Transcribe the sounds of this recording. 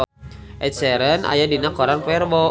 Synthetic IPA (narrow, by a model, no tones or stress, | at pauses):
ʔɛt̪̚sɛɾənʔa̰jadinakɔɾanpɛrbɔ